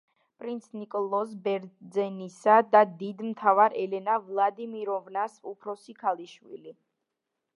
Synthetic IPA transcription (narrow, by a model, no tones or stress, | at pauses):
pʼɾint̪sʰnikʼɔlˠɔs̬bɛɾd̪zɛnisad̪ad̪id̪mt̪ʰavaɾɛlɛnavlˠad̪imiɾɔvnasupʰɾɔsikʰalˠiʃwḭli